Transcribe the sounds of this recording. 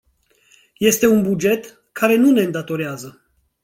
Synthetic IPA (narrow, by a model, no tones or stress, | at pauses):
je̞st̪e̞unbud͡ʒe̞t̪ | kʰaɾe̞nune̞ɨnd̪at̪o̞ɾeazə